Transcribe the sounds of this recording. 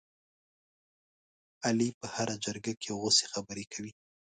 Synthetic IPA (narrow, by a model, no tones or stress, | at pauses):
alipəhaɾad͡ʒəɾɡakeawose̥xabəɾekʰawi